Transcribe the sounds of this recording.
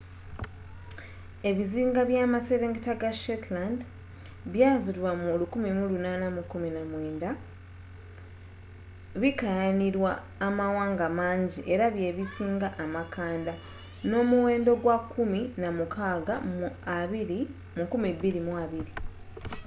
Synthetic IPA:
e̞βiziːŋɡaβjaːmase̞ɾeːŋɡitaɡaʃetland | βjaːzilwamulukumimulunaːnamukːuminamweːnda | βikajaniɾwaː | mawaːŋɡamaːɲɟiʔe̞ɾaβje̞βisiːŋɡaʔːmakaːnda | no̞ːmuwe̞ːndo̞ɡwakʰːuminamukʰaːɡamuaβiɾi | mukumiβːiɾimuaβiɾi

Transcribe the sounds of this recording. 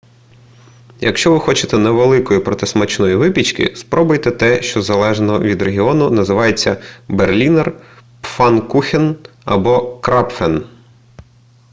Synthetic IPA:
jɐkʃt͡ʃɔʋɪxɔt͡ʃɪ̥t̪ɛnɛʋelˠɪkɔjipɾɔt̪ɪsmɐt͡ʃnɔjiʋɪpʲit͡ʃkɪ̰spɾɔbʊjt̪ɛt̪ɛʃt͡ʃɔzɐlˠɛʒnɔʋʲid̪reɦʲiɔnʊnɐzɪʋɑjet͡sʲːɐberlʲinɛrpfɑnkuxʲin | ɐbɔkɾɑpfɛn

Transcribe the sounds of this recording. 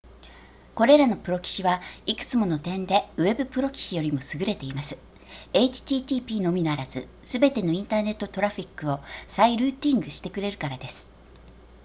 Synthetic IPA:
ko̞ɾe̞ɾano̞pɯ̟ɾo̞kʲi̥ɕiβaikɯ̟̥t͡sɨmo̞no̞t̪ẽ̞nd̪e̞ɯ̟e̞bɯ̟pɯ̟ɾo̞kʲi̥ɕijo̞ɾʲimo̞sɨɡɯ̟ɾe̞t̪e̞imasɨ̥ | e̞it͡ɕi̥t̪ʲiːt̪ʲiːpʲiːno̞mʲinaɾazɨ | sɨbe̞t̪e̞no̞ĩnt̪aːne̞t̪ːo̞t̪o̞ɾaɸʲikːɯ̟o̞saiɾɯ̟ːt̪ʲĩŋɡɯ̟ɕi̥t̪e̞kɯ̟ɾe̞ɾɯ̟kaɾad̪e̞sɨ̥

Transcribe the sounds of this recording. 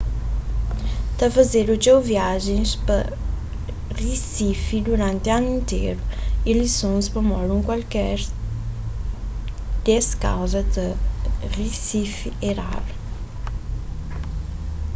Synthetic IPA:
t̪ɐfɐzeɾud͡ʒewviaʒẽspɐ | risifid̪uɾãnt̪eanʊĩnt̪ḛɾuilisõŋspɐmɔɾuŋkwalkɛɾ | d̪̥eska̰wzɐd̪ɐrisifieɾa̰ɾ

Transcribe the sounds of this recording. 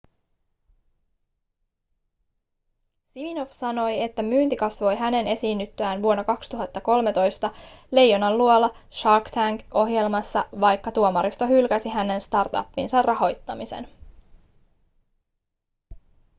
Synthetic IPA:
simino̞fsɑno̞je̞t̪ːæmyːnt̪ikɑsʋo̞jɦæne̞ne̞siːnːyt̪ːøæːnʋuo̞nːɑkɑkst̪uɦɑt̪ːɑko̞lme̞t̪o̞jst̪ɑle̞jːonːɑlluolːɑ | ʃɑkt̪ʰæŋɡo̞ɦje̞lmɑsːɑ̰ʋɑjkːɑt̪uomɑɾist̪oɦylkæsiɦæne̞nst̪ɑrt̪ɑ̰pːinsɑrrɑɦo̞jt̪ːɑmisḛn

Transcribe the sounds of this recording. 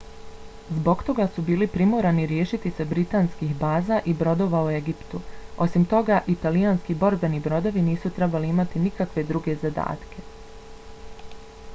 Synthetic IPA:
zbo̞ɡt̪o̞ɡasubiːlipɾimoɾaniɾje̞ːʃit̪ise̞bɾit̪aːnskixbaːzaʔibɾo̞d̪o̞ʋaue̞ɡipt̪uo̞simt̪o̞ɡaʔit̪alijanskibo̞ɾbenibɾo̞d̪o̞ʋiniːsut̪ɾe̞baliimat̪inikakʋe̞d̪ɾuɡe̞zad̪a̰ːt̪kʰe̞

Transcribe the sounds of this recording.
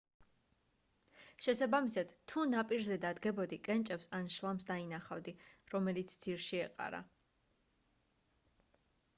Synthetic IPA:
ʃɛsabamisad̪̥t̪ʰːunapʼiɾzɛd̪ad̪ɡɛbɔd̪ikʼɛnt͡ʃʼɛpsanʃlˠamsd̪ainaχavd̪iɾɔmɛlit̪sʰd̪ziɾʃiɛqʼa̰ɾa̰

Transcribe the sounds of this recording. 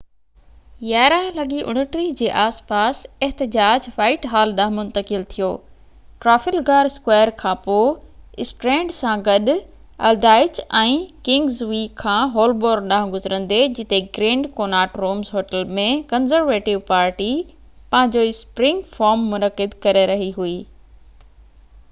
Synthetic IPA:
jaːɾalɐɠiʔʊ̰ɽ̃əʈɾid͡ʑeːʔaːspaːsɛɦt̪ɪd͡ʑaːd͡ʑfaːɪʈɦaːlɗãɦmʊ̃nt̪əkɪlt̪ʰijoː | ʈɾaːfɪlɡaːɾskwaːjəɾkʰãːpoːɪsʈɾẽːɳɖsãɡɐɗ | ɐ̰lɖaːɪt͡ɕɛ̃ːkɪ̃ŋɡzʋiːkʰːãːɦoːlboːɾɡɗãɦʊ̃ɡʊzɾə̃nd̪ed͡ʑɪt̪eɡɾẽːɳɖkoːnaːʈɾoːmzɦoːʈəlmẽkɐnzəɾʋeːʈɪʋpaːɾʈi | pɐ̃ɦɪ̃ɲd͡ʑoɪspɾɪ̃ŋɡfaːɾmːʊnəkɪd̪kɐɾeɾɐɦiɦuiː

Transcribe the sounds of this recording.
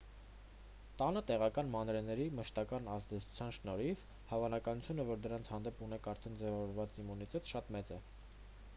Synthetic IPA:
t̪ɑnət̪ɛʁɑkɑnmɑnɾɛnɛɾiməʃt̪ɑkɑnɑzd̪ɛt͡sʰu̥t͡sʰjɑnʃnɔɾiv | hɑvɑnɑkɑnut͡sʰjunɛvɔɾd̪əɾɑnt͡sʰhɑnd̪ɛpunɛkʰɑɾt̪ʰɛnd͡zɛvɑvɔɾvɑt͡simunit̪ɛt̪ʃɑt̪mɛt͡sɛ

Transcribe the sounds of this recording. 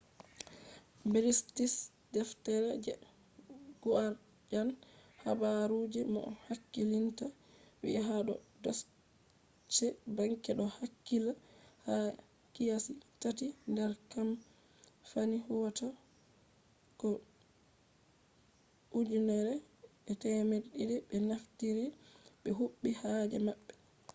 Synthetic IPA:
biɾistis | dɛftɛɾɛd͡ʒɛ | ɡ̥uaɾ | d͡ʒanha̰baɾud͡ʒɛmɔ̰hakːilinta | wḭʔɛɦaɗɔ̰dɔs | t͡ʃːɛbaŋkɛɗɔhakːilaha | kijasitatindɛɾkam | fanihɔta | kɔ | ʔud͡ʒunɛɾɛɓɛtɛmeɗidɛɓɛnaftiɾiɓɛɦuɓːihad͡ʒɛmaɓːɛ

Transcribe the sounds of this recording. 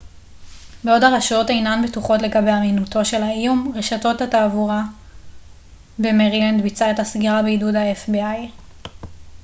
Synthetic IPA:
beo̞daʁaʃo̞tejnanbetuχo̞tle̞ɡabe̞jaminuto̞ʃe̞laijumʁeʃato̞thataːvuʁa | be̞meʁiland̪bit͡sae̞tasɡiʁabeidudaefbiaj

